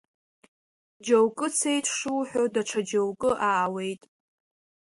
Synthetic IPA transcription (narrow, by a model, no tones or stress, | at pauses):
d͡ʒowkʼɨt͡sʰejtʼʰʂɨħʷᶣodaʈ͡ʂʰad͡ʒowkʼɨʔaːwe̞jtʼ